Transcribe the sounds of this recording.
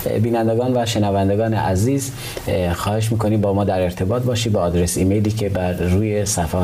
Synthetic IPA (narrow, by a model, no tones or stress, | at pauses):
biːnænd̪eɡɒːnvæʃe̞nævænd̪eɡɒːnḛʔæziːz | xɒːhe̞ʃ̬miːkʰo̞niːmbɒːmɒːd̪æɾe̞ɾt̪ʰe̞bɒːt̪̚bɒːʃid̪̚beɒːd̪ɾe̞siːmejliːcʰe̞bæɾːuːjesæfɒː